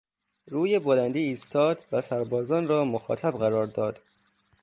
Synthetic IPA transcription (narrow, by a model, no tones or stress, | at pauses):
ɾuːjebolænd̪iːiːst̪ʰɒːd̪væsæɾbɒːzɒːnrɒːmoxɒ̰ːt̪ʰæbɣæɾɒːɾd̪ɒːd̪̥